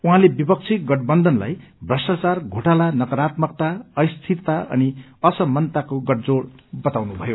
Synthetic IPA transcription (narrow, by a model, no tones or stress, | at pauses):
uɦãlebipʌk̚t͡sʰiɡʌʈbʌnd̪ʱʌnla̰j | brʌsʈat͡sarɡʱoʈalanʌkʌɾat̪mʌk̚t̪aʌjst̪ʰitt̪aʔʌ̰niʌsʌmʌnt̪akoɡʌʈ̚d͡zoɽbʌt̪awnubʱʌjo